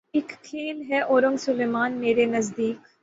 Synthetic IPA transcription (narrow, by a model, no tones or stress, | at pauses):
ɪkkʰːeːlɦɛʔoːɾʊ̃ŋɡsʊleːmaːnmeːɾenɐzd̪iːk